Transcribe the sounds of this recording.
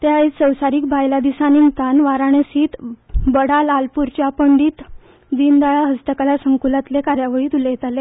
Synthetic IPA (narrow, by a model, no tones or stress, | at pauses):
t̪jaesəwsaɾiːk̚bʱajlad̪isanint̪anʋaɾaɳ̃esiːt̪bəɽalalpuɾt͡ɕjapəɳɖiːt̪ | d̪ind̪aɭaɦəst̪əkalasəŋkulat̪lekaɾjaʋəɭiːt̪ulejet̪ale